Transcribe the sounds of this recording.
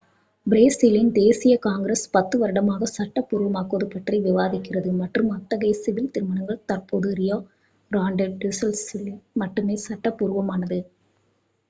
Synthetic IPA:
bɪɾeːsɪlɪnd̪eːsɪjɐkaːŋɡɪɾɐspɐt̪ːɯʋɐɾɯɽɐmaːɣɐsɐʈːɐpːʊɾɯʋɐmaːkːoːðɯpːɐʈrɐɪʋɪʋaːðɪkːɪrɐðɯmɐʈrɯmɐt̪ːɐɣɐːsɪʋɪlt̪ɪɾɯmɐɳɐŋɡɐɭt̪ɐrpoːðɯɾɪjoː | ɾaːɳɖɐɖɪsɐlslmɐʈːɯmeːsɐʈːɐpːʊɾɯʋɐmaːnɐðɯ

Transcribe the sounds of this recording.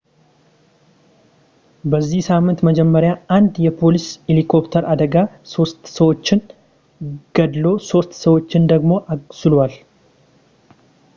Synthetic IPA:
bəzːihsamːɨnt̪məd͡ʒɛmːəɾjaand̪jɛpʰo̞liselikʰo̞pt̪ʰəɾʔad̪əɡaso̞st̪səwo̞t͡ʃːɪn | ɡ̥əd̪lo̞so̞st̪səwo̞t͡ʃːɪnd̪əɡmo̞ʔasɨlwal

